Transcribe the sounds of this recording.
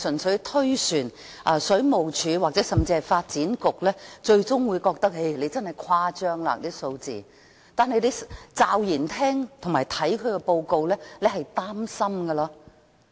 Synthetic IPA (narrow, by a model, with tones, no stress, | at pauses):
sɵ˨˩nsɵ˨˧˥ɥt̪ʰɵ˥ɥsyː˨˩n | ʔɐː˨˧sɵ˨˥ɥmo˨wt͡ʃʰyː˨˧waː˨k̚t͡sɛː˨˥sɐ˨mt͡siː˧hɐ˨jfaː˧t̚t͡siː˨˥nkʊ˨k̚lɛː˥t͡ʃɵ˧ɥt͡sʊ˥ŋwuː˨˧jkɔː˧k̚t̪ɐ˥k̚e˥˩le˨˧jt͡sɐ˥nhɐ˨jkʰwaː˥t͡ʃœː˥ŋla̰ː˧t̪iː˥so˧wt͡sḭː˨ | t̪aː˨nɦɐ˨˧jle˨˧jt͡saː˧wjiː˨˩nt̪ʰɛː˥ŋt̪ʰʊ˨˩ŋmaː˨˩jt̪ʰɐ˨˥jkʰɵ˨˧ɥkɛ˧po˧wko˧wlɛː˥le˨˧ɦɐ˨jt̪aː˥msɐ˥mɡɐ˧lɐː˧